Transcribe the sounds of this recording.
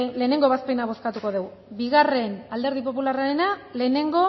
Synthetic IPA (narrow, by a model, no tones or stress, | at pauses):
le̞ːne̞ŋɡo̞βaspe̞naβo̞skat̪uko̞ðew | biɣare̞nald̪e̞ɾð̞ip̬o̞p̬ularaɾe̞nale̞ːne̞ŋɡo̞